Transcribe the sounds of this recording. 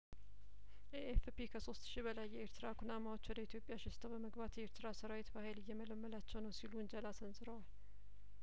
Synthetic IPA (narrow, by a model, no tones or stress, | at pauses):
ʔeʔefpikʰəso̞st̪ʃibəlajːɛeɾt̪ʰɨɾakʰunamawo̞t͡ʃːwɔd̪əit̪ijo̞pʼjaʃɪst̪ʰəwbəməɡbat̪jɛeɾt̪ʰɨɾasəɾawet̪bahejlɪjːɛmələmːəlat͡ʃːɛwnəwsiluɨnd͡ʒalasənzʼɨɾəwal